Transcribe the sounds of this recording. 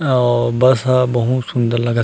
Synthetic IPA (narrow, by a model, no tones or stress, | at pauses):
ɔbɐsabɐɦut̪sʊ̃nd̪əɾlɐɡa